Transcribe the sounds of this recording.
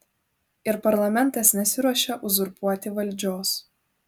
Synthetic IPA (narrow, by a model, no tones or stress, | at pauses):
ɪɾpɐɾlˠɐmʲɛnˑt̪ɐsnʲɛsʲɪɾuɔʃʲɛʔʊzʊɾpuɔt̪ʲɪʋɐlʲˑd͡ʒʲoːs